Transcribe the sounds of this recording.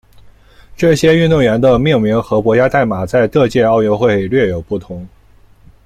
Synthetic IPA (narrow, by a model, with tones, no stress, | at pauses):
ʈ͡ʂɤ˥˩ɕjɛ˥y˥˧nt̪ʊ˥˩ŋɥɛ˧˥nd̪ə˧mi˥˩ŋmi˧˥ŋxɤ˧˥kwɔ˧˥t͡ɕja˥t̪a˥˩ɪma˨˩t͡sa˥˧ɪkɤ˥˧t͡ɕjɛ˥˧ɑ˥˧ʊjo˧˥˧ʊxwe˥˩ɪlɥɛ˥˩jo˨˩ʊpu˥˩t̪ʰʊ˧˥ŋ